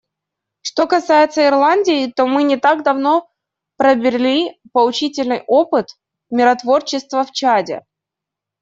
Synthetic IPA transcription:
ʂt̪o̞kɐsajɪt̪səɪrlˠanʲdʲɪɪt̪o̞mɨnʲɪt̪aɡd̪ɐvno̞ | pɾəbʲɪrʲlʲipəlˠʊt͡ɕitʲɪlʲnɨjʔo̞pɨt̪ | mʲɪɾɐt̪vo̞rt͡ɕɪst̪vəft͡ɕadʲɪ̰

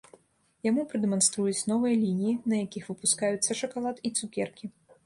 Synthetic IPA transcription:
jamupɾɨd̪ɛmanst̪ɾujut͡sʲnɔvɨjɐlʲinʲijinɐjakʲixvɨpuskajut̪sːɐʂɐkalˠat̪it̪sukʲɛrkʲi

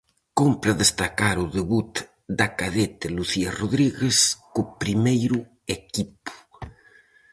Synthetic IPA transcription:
kompɾaðest̪akaɾuðeβut̪ | d̪akaðet̪eluθiaroðɾiɣeskopɾimejɾu | ekipu̥

